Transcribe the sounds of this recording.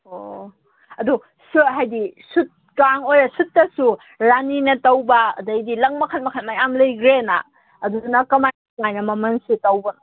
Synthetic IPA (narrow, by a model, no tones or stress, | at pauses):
o | ɐdu | suɦajdisut̚ | kaŋojɾɐsut̚ːɐsu | ɾaninɐtɐwbɐ̰ːdɐjdilɐŋmɐkʰat̚mɐkʰanmajamlɐjɡɾena̰ː | duunɐkɐmaj | ŋajnɐmɐmɐnsitɐwbɐn